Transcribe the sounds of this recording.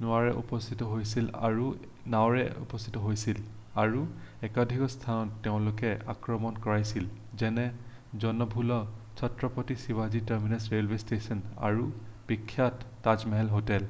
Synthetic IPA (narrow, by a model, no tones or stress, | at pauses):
nʊwaɹɛʔṵpɔst̪ʰitɔɦojsila̰ɹu | nawɹɛ̰ṵpɔst̪ʰi̥tɔɦojsil | aɹuɛkadʱikɔstʰanɔtːeʊ̃lʊkɛa̰kɹɔmɔnkɔɹajsil | zɛnɛ | zɔnɔbʱulɔt͡ʃʰɔtɹɔpotisiwazitaɹminɛsɹelwestesɔna̰ɹupikʰːjatːazmɛɦɛlɦotɛl